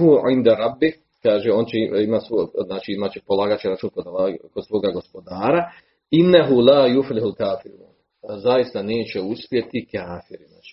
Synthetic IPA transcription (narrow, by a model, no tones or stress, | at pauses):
ɦuʕind̪aɾˤɑbːi | kaːʒeo̞ːnt͡ɕeiimaːsoznaːt͡ʃiimaːt͡ɕepolˠaːɡaːt͡ɕeɾat͡ʃuːnkod̪akod̪sʋo̞ːɡaɡo̞spo̞d̪aːɾa | inːaɦulaːjuflɪhulkaːfiɾṵːn | zajist̪aneːt͡ɕeuspje̞t̪ikaːfiɾia̰t͡ʃi̥